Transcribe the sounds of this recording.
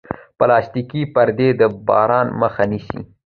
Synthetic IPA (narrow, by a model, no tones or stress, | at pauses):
pəlɑst̪ikipaɾd̪ed̪əbɑ̰ɾɑnməxaniʃḭ